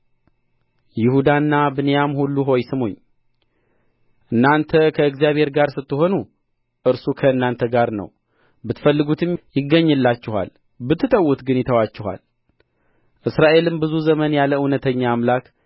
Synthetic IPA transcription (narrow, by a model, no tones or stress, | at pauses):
jɪhud̪anːabɨnejamhulːuɦo̞jsɨmhṵɲː | ʔɨnːant̪ʰəkʰəɨɡzijaβhe̞ɾɡaɾsɨt̪ːɨho̞nu | ʔɨɾsukʰəɨnːant̪ʰəɡaɾnə̰w | bɨt̪fəlːɨɡut̪ʰɨmjɪɡəɲːɨlːat͡ʃːɪha̰l | bɨt̪ʰːɨt̪ʼəwːut̪ɡɨnjɪt̪ʰəwat͡ʃːɪɦa̰l | ʔɨsɾaʔe̞lɨmbɨzuzəmənjaləɨwnət̪ʰəɲːaːmlak